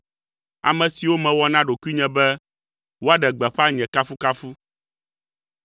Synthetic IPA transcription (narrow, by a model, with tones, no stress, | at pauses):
a̰˨mɛ̃˨si˨wo˦mɛ̃˨wɔ˦nã˦ɖo˨ku˦i˦ɲɛ̃˨bɛ˦ | wo˦a˦ɖɛ˨ɡ͡bɛ˨ɸɛ˦a˦ɲɛ̃˨ka˦fu˦ka˦fu˦